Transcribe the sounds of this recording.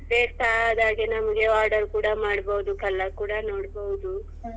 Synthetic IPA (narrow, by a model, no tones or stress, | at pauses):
beːkt̪aːd̪aːɡenɐmɐɡe̞aːɾɖɐɾkuːɽamaːɽboɦud̪ukɐlːakuːɽano̞ːɽboɦud̪u